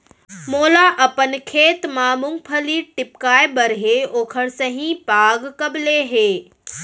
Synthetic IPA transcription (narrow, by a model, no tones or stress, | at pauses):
moːlaʔɐpənkʰeːt̪maːmʊ̃ŋɡ̚pʰɐliʈɪpkaːjbɐɾɦeoːkʰəɽsɐɦĩpaːɡkɐbleɦeː